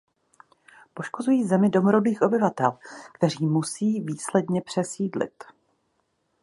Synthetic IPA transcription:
poʃko̞zujiːzɛmɪdo̞mɾo̞biːxʔo̞bɪvat̪ɛlkt̪ɛr̝iːmusiːviːslɛdɲɛpr̥ɛsiːdlɪ̰t̪

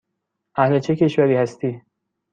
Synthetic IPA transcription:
ʔæhlet͡ʃʰe̞ce̞ʃvæɾiːhæst̪iː

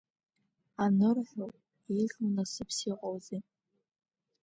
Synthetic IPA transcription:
anɨrħᶣo | iɮmnasɨpʰsiqʷʼowzi

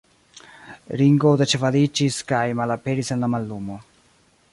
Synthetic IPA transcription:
ɾiŋɡod̪at͡ʃɛfalit͡ʃːiskajmalapeɾisɛnlamalːumo

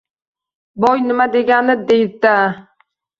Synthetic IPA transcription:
bɒjnɪmad̪e̞ɡʲanɪd̪ejd̪a

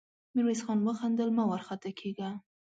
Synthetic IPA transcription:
miɾwesxɑnwəxand̪əlmɑwaɾxat̪akʰeɡa

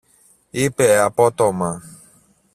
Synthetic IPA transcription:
ipɛapɔt̪ɔmã

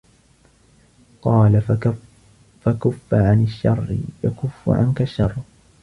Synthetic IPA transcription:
qɑːla | fakʊfːaʕanaʃːɑr̰ˤːjakʊfːʊ̰ʕa̰nkaʃːɑrˤː

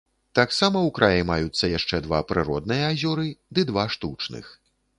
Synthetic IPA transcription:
t̪aksamɐwkɾʔajɛmajut̪sːɐjaʂt͡ʂɛd̪va̰pɾɨɾɔd̪̚nɨjɐazʲɔɾɨd̪ɨd̪vaʂt̪ut͡ʂnɨ̰x

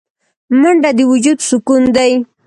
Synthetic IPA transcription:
mʊɳɖad̪ɪwʊd͡ʒud̪sʊkʊnd̪aj

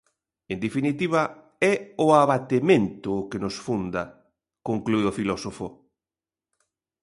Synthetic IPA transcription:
end̪efinit̪iβ̞ɐ | ɛʊaβat̪emẽnt̪ʊkenosfund̪ɐ | koŋkluiofilɔsofo

